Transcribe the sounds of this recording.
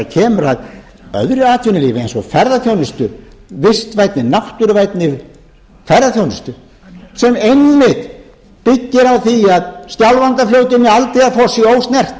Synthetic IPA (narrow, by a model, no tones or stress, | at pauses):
cʰɛːmʏɾað | œ̰ðɾʏaːt̪ʰvʏnɪliːvɪejnsɔfɛɾðaθjownɪst̪ʏvɪst̪vajt̪nɪnaht̪ʏɾvajt̪nɪ | fɛɾðaθjownɪst̪ʏ | sɛmejnːmɪt̪ | pɪcːɪɾawθiaðscawlvant̪aflowt̪ɪnːɪalt̪ejaðfɔːsioːwst̪nɛr̥t̪